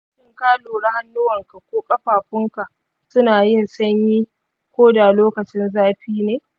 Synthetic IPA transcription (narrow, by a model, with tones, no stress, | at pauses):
ʃɪ˦ŋkaː˦loː˨ɽa˦ha˦nːuː˦wɐ˨ŋka˨kʷoː˦kʼɐ˦ɸaː˨ɸɪ˦ŋka˨ʔ | sʊ˦naː˨jɪ˦˨nsɐ˦ɲjiː˦ | kʷoː˦da˨loː˦kɐ˨t͡ʃɪ˦nzaː˦ɸiː˦neː˨